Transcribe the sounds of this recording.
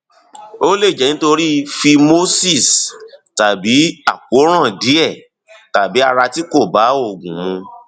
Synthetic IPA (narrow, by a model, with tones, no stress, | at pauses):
o˦le˦˨d͡ʒɛ˨nĩ˨˦to˧ɾi˦fi˧mo˦si˦˨sta˨bi˨˦a̰˨ko˨˦ɾ̃ã˦˨di˨˦ɛ˦˨ | ta˨bi˨˦a˧ɾa˧ti˦ko˦˨ba˨˦o˦˨ɡũ˨mũ˧